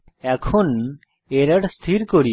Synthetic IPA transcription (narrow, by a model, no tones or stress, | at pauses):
ɛkʰon | eɾəɽst̪ʰiɾkoɾi